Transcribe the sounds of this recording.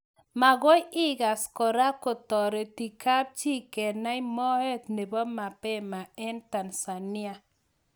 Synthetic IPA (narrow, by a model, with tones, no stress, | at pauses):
ma˨ɡo˦jɪ˦ɡa˨skɔ˨ɾa˦ko˨tɔ˨ɾe˨ti˨ka˦p̚t͡ʃi˦kɛ˨na˦i˦mɔ˦he˦tne˨bɔ˦ma˨pɛ˦ma˨ɛ˦nta˨nsa˨ni˦a˨